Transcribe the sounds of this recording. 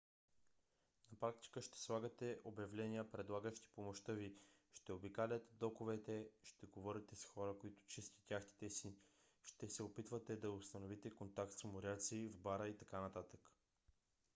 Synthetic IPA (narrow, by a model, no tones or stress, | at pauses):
nɐpɾak̚t̪i̥kəʃt̪ɛ̥slˠaɡət̪ɛʔobjɐvlɛnʲijəpɾɛd̪lˠaɡəʃt̪i̥pomoʃt̪ɤviʃt̪ɛobikalʲət̪ɛd̪ɔkovɛt̪ɛʃt̪ɛɡovɔɾit̪ɛsxɔɾəkoit̪ʊ̥t͡ʃist̪i̥t̪ʲjaxt̪i̥t̪ɛsi | ʃt̪ɛsɛopit̪vət̪ɛd̪ɐʊst̪ɐnovit̪ɛkont̪ak̚t̪smoɾʲjat̪sivbaɾəit̪ɐkanɐt̪at̪ə̥k